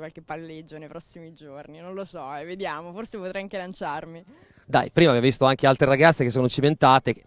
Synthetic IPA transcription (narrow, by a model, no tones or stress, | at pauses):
kwalkepːalːed͡ʒːonejpɾɔsːimid͡ʒorninõnlosɔɛvːed̪jaːmoforsepot̪ɾɛjaŋkelant͡ʃarmi | d̪a̰jpɾimavjavvist̪oaŋkealt̪ɾeɾaɡat̪sːekesːoːnot͡ʃiment̪aːt̪e